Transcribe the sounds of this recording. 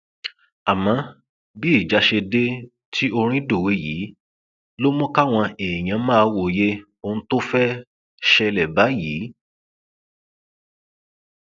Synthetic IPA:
a˨mã˨˦ | bi˦i˦˨d͡ʒa˨˦ʃe˧de˦ | tʰi˦o˧ɾ̃ĩ˦do˦˨we˨˦jiː˨˦ | lo˦mɔ̃˦ka˦w̃ɔ̃˧eː˨j̃ã˨˦mã˦a˧˨wo˨je˦ | o˧n̩˦to˦fɛ˦ | ʃɛ˧lɛ˨ba˨˦jiː˨˦

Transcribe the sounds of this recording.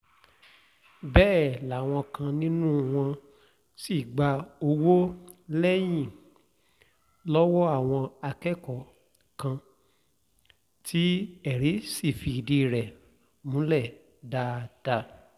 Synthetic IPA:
bɛː˦˨la˨w̃ɔ̃˧kã˧nĩ˦nũ˦w̃ɔ̃˧ | si˦˨ɡ͡ba˧o˧wo˦lɛ˦j̃ĩ˦˨ | lɔ˦wɔ˦a˦˨w̃ɔ̃˧a˧kɛ˦˨kɔ˨ | kã˧ | ti˦ɛ˦˨ɾi˨˦si˦˨fi˧i˨di˧˨ɾɛ˨ | mũ˨˦lɛ˦˨ | da˧d̥a˧

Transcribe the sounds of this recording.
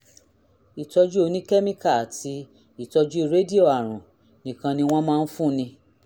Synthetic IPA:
i˨tɔ˧d͡ʒu˦o˧nĩ˦ke˦mĩ˦ka˦˨a˨ti˧ | i˦˨tɔ˧d͡ʒu˦i˦˧ɾe˦di˦o˦˨a˨ɾ̃ũ˨ | nĩ˨kã˧nĩ˧w̃ɔ̃˦mãː˦˧˦n̩˦fũ˦˧˦nĩ˧

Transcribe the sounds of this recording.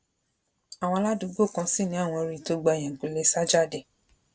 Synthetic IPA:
a˨w̃ɔ̃˧la˦dũ˧˦ɡo˦˨kã˧˦si˦˨nĩ˨˦a˦˨w̃ɔ̃˧ɾi˦˨to˨˦ɡ͡ba˧˨jɛ̃˨ɡu˨˦le˨˧sa˦d͡ʒa˦˨de˨

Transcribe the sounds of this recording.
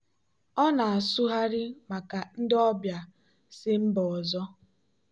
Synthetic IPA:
ɔ˦na˨a˨su˦ɦa˦ɾɪ˦ma˨ka˨n̩˦dɔ˦bja˨ | sɪ˦m̩˦bɔ˨zɔ˦

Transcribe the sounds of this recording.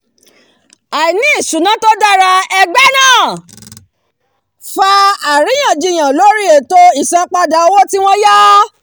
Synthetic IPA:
a˨i˨nĩ˦i˦˨su˨˦nã˨˦to˦da˦ɾa˧ɛ˧ɡ͡bɛ˦nãː˦˨ | fa˧a˨ɾĩ˨˦j̃ã˦˨d͡ʒi˧˨j̃ã˨lo˦ɾi˦e˨to˧i˦˨sã˧k͡pa˧da˨o˧wo˦ti˦w̃ɔ̃˦jɔ˦

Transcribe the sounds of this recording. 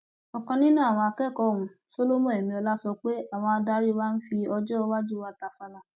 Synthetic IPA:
ɔ˨kɔ̃˧nĩ˦nũ˦a˦˨w̃ɔ̃˧a˧kɛ˦˨kɔ˨ũ˨˧˨so˦lo˦mõ˦˨e˨mĩ˧ɔ˧la˦sɔ˧k͡pe˦a˦˨w̃ɔ̃˧a˧da˧˦ɾi˦˧wa˦n̩˦fi˧ɔ˧d͡ʒɔ˦˧wa˦d͡ʒu˦˨wa˦˨ta˧˨fa˧la˨

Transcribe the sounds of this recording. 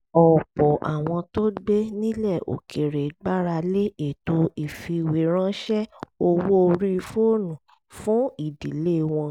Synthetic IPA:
ɔ˨k͡pɔ˨ʔa̰˨w̃ɔ̃˧to˦ɡ͡be˦nĩ˦lɛ˦˨ʔo̰˨kʰe˨ɾe˨ɡ͡ba˦ɾa˧le˦e˨to˧i˨fi˧˨we˨˦ɾ̃ã˦ʃɛ˦o˧wo˦o˧ɾi˦˧fo˦˨nũ˨ | fũ˦i˨di˨le˦˨w̃ɔ̃˧

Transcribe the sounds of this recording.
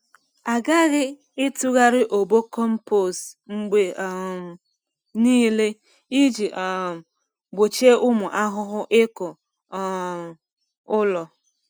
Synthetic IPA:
a˨ɡa˦ɣɪ˦ | ɪ˦tu˦ɣa˦ɾɪ˦ʔo˨bo˦kɔ˦m̩˦po˦˨sŋ͡m̩˦ɡ͡be˦˨ | niː˦le˦ | i˦d͡ʒi˨ʔ | ɡ͡bo˨t͡ʃe˦ʔʊ˦mʊ˨ʔa˦ɦʊ˦ɦʊ˦ʔɪ˦kʊ˨ | ʊ˦lɔ˨

